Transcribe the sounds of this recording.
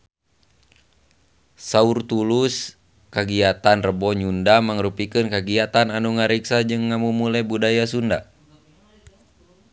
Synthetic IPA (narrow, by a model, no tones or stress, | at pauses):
saurt̪ulus | kaɡiat̪anrəbɔɲundamaŋɾupikɨnkaɡiat̪ananuŋaɾiksad͡ʒɨŋːamumulɛbudajas̬unda̰